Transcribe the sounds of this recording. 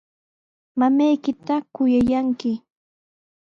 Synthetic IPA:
mamajkɪt̪akʊjajaŋkɪ

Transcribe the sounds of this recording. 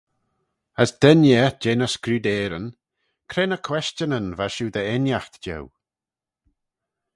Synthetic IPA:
əsd̪̥ɛnjɛd͡ʒeːnəskɾuːd̪ɛːɾən | kʰɾeːnəkʰwɛst͡ʃənənvaʃuːd̪əɛnjaxt̪d͡ʒɛ̰w

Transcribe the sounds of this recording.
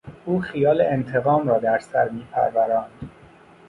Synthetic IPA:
ʔuːxijɒːleent̪ʰe̞ɣɒːmɾɒːd̪æɾsæ̰ɾmiːpʰæ̰ɾvæɾɒːnd̪̥

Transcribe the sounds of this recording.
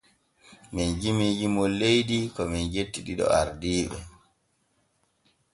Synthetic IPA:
mɛnd͡ʒimiːd͡ʒimɔlejdikɔmɛnd͡ʒetːiɗiɗɔ̰aɾdiːɓɛ̰

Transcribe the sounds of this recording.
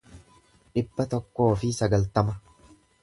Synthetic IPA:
ᶑɪbːɐt̪ɔkːo̞ːfɪsɐɡɐlt̪ɐmɐ

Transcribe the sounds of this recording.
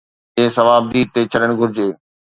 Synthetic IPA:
ẽːsɐʋaːb̚d̪iːt̪eːt͡ɕʰɐɗəɽ̃ɡʱʊɾɪd͡ʑeː

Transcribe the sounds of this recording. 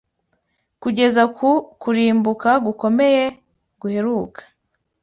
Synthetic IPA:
kuɟe̞zakukuɾiːmbukaɡuko̞me̞je̞ | ɡuhe̞ɾuːkḁ

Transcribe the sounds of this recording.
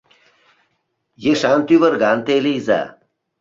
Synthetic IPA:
jeʂaːnt̪yvəɾɡaːnt̪elejza̰

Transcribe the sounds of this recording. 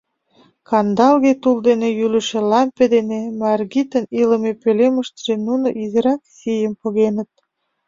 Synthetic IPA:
kɑnd̪ɑlɣet̪uld̪enejyləʃĕlɑmped̪enemɑrɣit̪əniləmepøleməʃt̪əʒenunoʔizeɾɑksijəmpoɣenət̪̚

